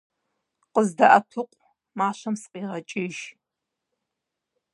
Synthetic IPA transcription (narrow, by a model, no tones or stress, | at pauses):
qəzdɐʔɐtʰʊqʷʼ | maːɕɐmsqiːʁɐt͡ʃʼɪʒ